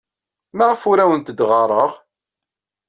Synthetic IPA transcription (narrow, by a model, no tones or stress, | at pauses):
maʁəfuɾæwənt̪əd̪ʁɑɾˤəʁ